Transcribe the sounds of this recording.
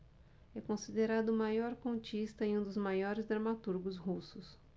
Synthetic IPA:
ɛkõsid̪eɾad̪ʊmajɔɾkõt͡ʃist̪ɐẽũd̪ʊzmajɔɾɪzd̪ɾɐmat̪uɾɡʊzɦusʊs

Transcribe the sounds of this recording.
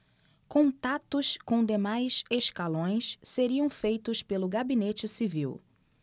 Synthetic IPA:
kõnt̪at̪ʊskõw̃d̪emajseʃkalõj̃sseɾiɐ̃w̃fejt̪ʊspelʊɡabinet͡ʃɪsiviw

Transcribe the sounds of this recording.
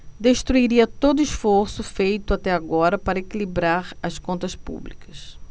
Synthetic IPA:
d̪eʃt̪ɾuiɾiɐt̪od̪ʊiʃfoɾsʊfejt̪ʊat̪ɛaɡɔɾɐpaɾɐekilibɾaɾɐskõnt̪ɐspṵblikɐ̥s

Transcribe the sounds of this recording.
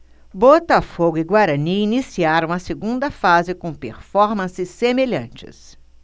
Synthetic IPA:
bot̪ɐfoɡʊɪɡwaɾɐniinisiaɾɐ̃w̃ɐseɡũnd̪ɐfazɪkõpḛɾfɔɾmɐ̃sɪsːemeʎɐ̰̃nt͡ʃɪ̰s

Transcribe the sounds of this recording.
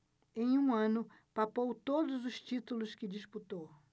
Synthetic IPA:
ẽj̃ũɐ̃nʊ | papowt̪od̪ʊzʊst͡ʃit̪ulʊskɪd͡ʒisput̪ow

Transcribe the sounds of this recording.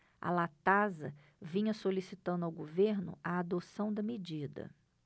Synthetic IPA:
ɐ̰lat̪azɐ | vĩɲɐsolisit̪ɐ̃nd̪awɡoveɾnʊ̰ɐad̪osɐ̃w̃d̪ɐmed͡ʒid̪ɐ̰

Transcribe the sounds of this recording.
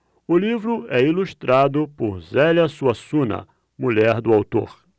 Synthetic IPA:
ʊlivɾʊɛiluʃt̪ɾad̪ʊpʊɾzɛlɐsuɐsũnɐ̰ | muʎɛɾd̪ʊawt̪o̰ɾ

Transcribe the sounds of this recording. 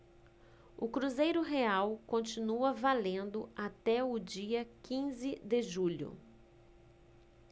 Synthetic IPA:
ʊkɾuzejɾʊɦeawkõnt͡ʃinuɐvalẽnd̪ʊat̪ɛʊd͡ʒiɐkĩzɪd̪ɪʒuʎʊ̰

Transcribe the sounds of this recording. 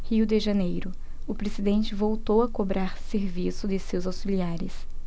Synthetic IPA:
hiwd̪ɪʒɐnejɾʊ | ʊpɾezid̪ẽnt͡ʃɪvowt̪owɐkobɾaɾseɾvisʊd̪ɪsewzawsiliaɾɪs

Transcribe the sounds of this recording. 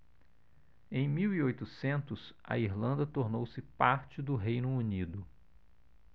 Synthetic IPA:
ẽj̃miwiojt̪ʊsẽnt̪ʊsɐ̰iɾlɐ̃nd̪ɐt̪oɾnowsɪpaɾt͡ʃɪd̪ʊɦejnʊunid̪ʊ

